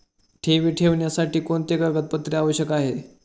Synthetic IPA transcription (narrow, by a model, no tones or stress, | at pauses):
ʈʰeʋiːʈʰeʋɳjasaʈiːkoɳt̪ekəɡət̪̚pət̪ːɾiaʋəɕjəkaɦe